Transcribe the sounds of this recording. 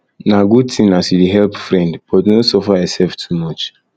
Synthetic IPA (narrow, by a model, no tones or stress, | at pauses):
naɡud̚tʰĩmnasidiɦɛlpfɾɛ̃ndb̥ɔtnosɔfaɛsɛlftʰumɔt͡ʃ